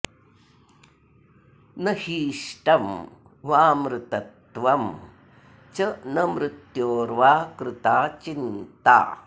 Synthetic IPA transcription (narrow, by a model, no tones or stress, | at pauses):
nɐhiːʂʈɐm | ʋaːmɾɪt̪ɐt̪ʋɐm | t͡ʃɐnɐmɾɪt̪joːɾʋaːkɾɪt̪aːt͡ʃint̪a̰ː